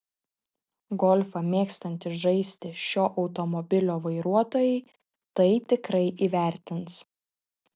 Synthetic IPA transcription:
ɡɔlʲfɐmʲeːkst̪ɐnʲt̪ʲɪʒɐɪsʲt̪ʲɪʃʲoːʔɒʊt̪ɔmɔbʲɪlʲoːʋɐɪɾuɔt̪oːjɛɪ | t̪ɐɪt̪ʲɪkɾɐɪʔiːʋʲæˑɾʲt̪ʲɪns

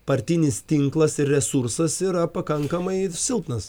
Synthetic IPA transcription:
pɐɾʲt̪ʲɪnʲɪst̪ʲɪŋklˠɐsɪɾʲrʲɛsuɾsɐsiɾɐpɐkɐŋkɐmɐɪsʲɪlˠpnɐs

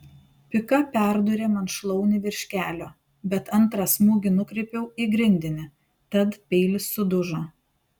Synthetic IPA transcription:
pʲɪkɐpʲæˑɾd̪ʊɾʲeːmɐnʃlˠɒʊnʲɪʋʲɪɾʲʃʲkʲæːlʲoː | bʲɛt̪ɐnˑt̪ɾɐsmuːɡʲɪnʊkɾʲɛɪpʲɛʊiɡɾʲɪnʲd̪ʲɪnʲɪ | t̪ɐt̪pʲɛɪlʲɪsːʊd̪ʊʒoː

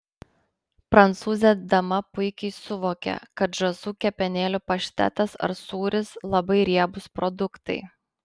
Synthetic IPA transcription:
pɾɐnt̪suːzʲed̪ɐmɐpʊɪkʲɛɪsʊʋoːkʲɛ̰kɐt̪ʒɐzuːkʲɛpʲɛnʲeːlʲʊpɐʃʲt̪ʲæ̰t̪ɐsɐ̰ɾsuːɾʲɪslˠɐbɐɪɾʲiɛbʊspɾɔd̪ʊkt̪ɐɪ

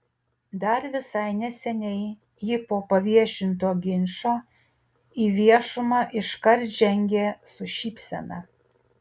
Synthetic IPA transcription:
d̪ɐɾʋʲɪsɐɪnʲɛsʲɛnʲɛɪ | jɪpoːpɐʋʲiɛʃʲɪnt̪oːɡʲɪnʲʃoː | iːʋʲiɛʃʊmɑːʔɪʃkɐɾt̪ʒʲɛŋʲɡʲeːsʊʃʲiːpʲsʲɛ̰nɑ

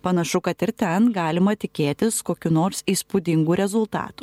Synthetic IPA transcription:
pɐnɐʃʊkɐt̪ɪɾt̪ʲɛnɡɑːlʲɪmɐt̪ʲɪkʲeːt̪ʲɪskoːkʲunoːɾsiːspud̪ʲɪŋɡuːɾʲɛzʊlˠt̪ɑ̰ːt̪uː

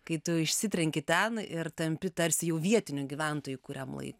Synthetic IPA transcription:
kɐɪt̪ʊɪʃʲsʲɪt̪ʲɾʲɛŋʲkʲɪt̪ʲɛnɪrt̪ɐmʲpʲɪt̪ɐɾʲsʲɪjɛʊʋʲiɛt̪ʲɪnʲʊɡʲiʋʲɛnt̪oːjʊkʊɾʲɛmlˠɐ̰ɪk

